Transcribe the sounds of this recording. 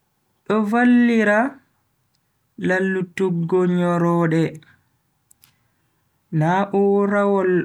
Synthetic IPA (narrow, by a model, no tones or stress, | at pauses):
ɗɔvalːiɾa | lalːutuɡɔɲɔɾɔːɗɛ | naʔuɾawɔl